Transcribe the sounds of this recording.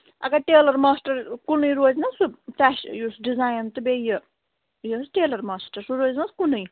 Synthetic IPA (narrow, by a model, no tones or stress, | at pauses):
ɐ̰kaʈeːlɐɾmaːsʈɐɾkunɨjɾoːznɐsutaʃjusɖizaːjnt̪ɨbejə | jəsʈeːlɐɾmaːsʈɐɾsuɾoːzʲnɐskunɨj